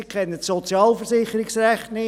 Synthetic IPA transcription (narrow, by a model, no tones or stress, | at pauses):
ikʰχɛnːətsɔt͡sjɑːlfəɾsɪχːəɾɪksræχtnɪ